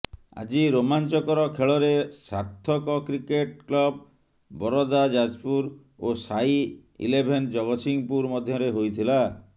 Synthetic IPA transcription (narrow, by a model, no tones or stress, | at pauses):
a̰d͡ʒiɾomant͡ʃɔkɔɾɔkʰeɭɔɾesaɾt̪ʰɔkɔkɾikeʈ̚klɔbː | ɔɾɔd̪ad͡ʒad͡ʒpuɾ | osai | ḭlebʱend͡ʒɔɡɔsiŋpuɾmɔd̪ʱjɔɾeɦojt̪ʰila